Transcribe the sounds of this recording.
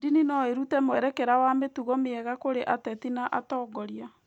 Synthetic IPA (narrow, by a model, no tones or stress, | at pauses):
dininɔeɾutɛmwɛɾɛkɛɾawametuɣɔmeɛɣakoɾeʔatɛtinaʔatɔːɡɔɾja